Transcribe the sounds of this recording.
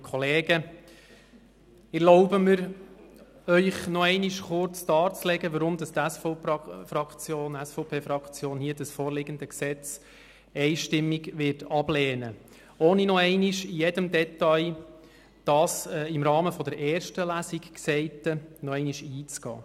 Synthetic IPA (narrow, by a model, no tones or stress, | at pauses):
kʰχɔleːɡə | ɛɾlɔʊbəmɪɾ | œʏχnɔɛɪniʃχʊɾt͡sd̥ɑːt͡slɛɡəʋəɾʊmd̪ɑst̪æsffɾɑkt͡sjoːnæsfɔʊpʰeːfɾɑkt͡sjoːnhiːədəsfɔːɾlɪɡ̥ənd̪əksɛt͡s | ɛɪʃtɪmːiɡʋɪrtɑb̥lɛːnə | oːninɔɛɪniʃɪjɛdəmdɛtɑj | d̥ɑsɛɪmɾɑːməfɔd̥̪əɾɛːɾʃtəlæsikksɛɪtənɔɛɪniʃiːt͡sɡ̥ɑ̰ː